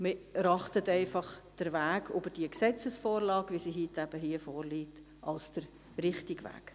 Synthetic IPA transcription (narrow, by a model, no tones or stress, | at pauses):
mɪɾɑχtətɛɪfɑχd̥əɾʋæːɡybəd̥iəksɛt͡səsfɔːɾlɑːkʋisiɦitæb̥əɦiəfɔːɾliːt | ɑ̰lsd̥əɾ | rɪχtiɡʋæ̰ːk